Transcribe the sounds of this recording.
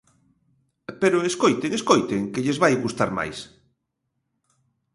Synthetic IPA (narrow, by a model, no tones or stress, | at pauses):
peɾʊeskojt̪eŋeskojt̪eŋkɪʎezβajɣust̪aɾma̰js